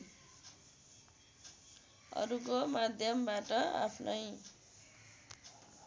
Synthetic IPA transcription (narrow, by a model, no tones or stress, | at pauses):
ʌ̰ɾukomad̪ʱjʌmbaʈʌa̰pʰnʌj